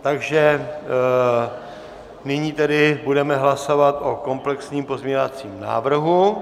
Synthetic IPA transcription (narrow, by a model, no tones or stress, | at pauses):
t̪aɡʒɛ | nɪɲiːt̪ɛdɪbudɛmɛɦlaso̞vat̪ʔo̞ko̞mplɛksɲiːmpo̞zmɲeɲovat͡siːmna̰ːvr̩ɦu